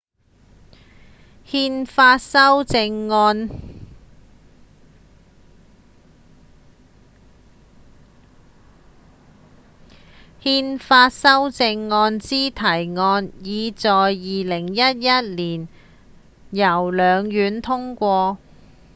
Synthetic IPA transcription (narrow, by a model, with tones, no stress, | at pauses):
hiː˧nfaː˧sɐ˥wt͡sɪ˧ŋːɔː˧n | hiː˧nfaː˧t̚sɐ˥wt͡sɪ˧ŋːɔː˧nt͡siː˥t̪ʰɐ˨˩jŋɔː˧njiː˨˧t͡sɔː˨jːiː˨lɪ˨˩ŋjɐ˥t̚jɐ˥t̚liː˨˩n | jɐ˨˩wlœː˨˧ŋjyː˨˧nt̪ʰʊ˥ŋkʷɔː˧